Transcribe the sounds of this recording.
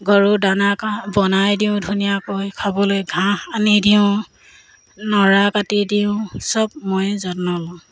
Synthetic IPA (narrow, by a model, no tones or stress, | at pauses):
ɡɔɹudanakabɔnajdiʊ̃dʱunijakojkʰabɔlojɡʱãanidiʊ̃ | nɔɹakatidiʊ̃sɔb̚mojzɔtnɔlɔ̃